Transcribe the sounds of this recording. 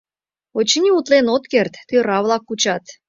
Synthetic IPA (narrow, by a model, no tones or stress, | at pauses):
ot͡ɕinʲiut̪lenot̪kert̪ːøɾɑβlˠɑkːut͡ɕɑt̪